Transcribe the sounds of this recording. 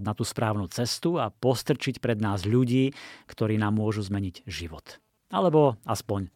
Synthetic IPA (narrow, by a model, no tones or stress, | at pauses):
nat̪uːspɾaːʊnuːt͡sɛst̪uapɔst̪r̩t͡ʃicpɾɛd̪naːzʎuɟiːkt̪ɔɾiːnaːmːʊɔʒuzmɛɲiɟʒiʋɔt̪ | alɛbɔaspɔɲ